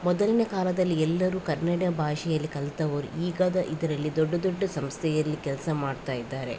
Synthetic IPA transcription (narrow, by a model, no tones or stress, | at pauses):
mɔd̪ɐlinekaːlɐd̪ɐlːiɛlːɐɾuːkɐɾnɐɽɐbʱaːʃɛjɐlːikɐlt̪ɐʋɐɾuiːɡaːd̪ɐʔid̪ɐɾɐlːid̪ɔɖːɐd̪ɔɖːɐsɐmst̪ʰɛjɐlːikɛlɐsɐmaːɖt̪aːjid̪ːaːɾe̞̰